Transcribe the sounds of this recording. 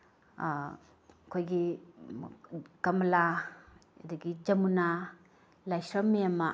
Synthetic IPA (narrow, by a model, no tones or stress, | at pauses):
kʰojɡi | kɐmɐlaja̰daɡid͡ʒɐmuna | lajsɾɐmeama